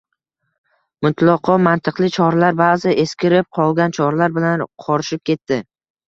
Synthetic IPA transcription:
mʊt̪ʰlˠɒqʰɒmant̪ʰɨqlˠɪt͡ʃʰɒɾlaɾbaːzɪe̞skʲɪɾɪp̚qʰɒlˠɡʲant͡ʃʰɒɾlaɾbɪlanqʰɒɾɪʃɪp̚kʲʰe̞t̪ːɪ

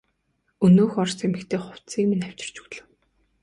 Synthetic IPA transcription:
ɵnoːxɔrsemɘ̆kt̪ʰeːχʊw̥t̪siːkminaw̥ʲt͡ɕɪ̆r̥t͡ɕɵ̥̆ɣɮɘ̆w

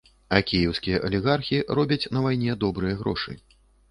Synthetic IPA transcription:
ɐkʲijɛwskʲijɐʔɐlʲiɣarxʲirɔbʲɐt͡sʲnɐvajnʲɛd̪ɔbɾɨjɐɣɾɔ̰ʂɨ̰

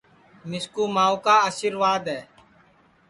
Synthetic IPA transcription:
mɪskuːmaːukaːaːʃiːɾʋaːd̪ɦɛː

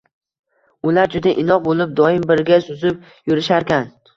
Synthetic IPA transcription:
ʊlaɾd͡ʒʊd̪aʔɪnɒqbolˠɪp̚d̪ɒɪmbɪɾɡʲasʊzɪp̚ | jʊɾɪʃaɾkʲan

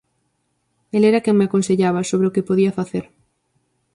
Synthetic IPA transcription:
elɛɾɐkeŋmeakonseʎaβ̞ɐsoβɾeʊkepoðiɐfaθeɾ

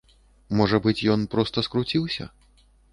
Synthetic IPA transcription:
mɔʐɐbɨt͡sʲjɔnpɾɔst̪ɐskɾut͡sʲiwsʲɐ̰

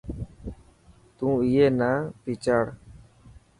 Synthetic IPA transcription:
t̪ũːijeːnaːpiːt͡ʃaːɽ

